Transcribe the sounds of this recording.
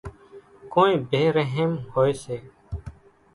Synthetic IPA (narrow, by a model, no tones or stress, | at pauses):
kõːnĩːbʱeːɾəɦemhoːeːseː